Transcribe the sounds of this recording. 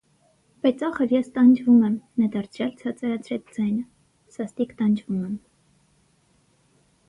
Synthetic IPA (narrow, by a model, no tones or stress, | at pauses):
b̥ɑjt͡sɑχəɾjɛst̪ɑnd͡ʒvumɛmnɛd̪ɑɾt͡sʰɾjɑlt͡sʰɑt͡sɑɾɑt͡sʰɾɛt͡sʰd͡zɑjnə | sɑst̪ikt̪ɑnd͡ʒvumɛm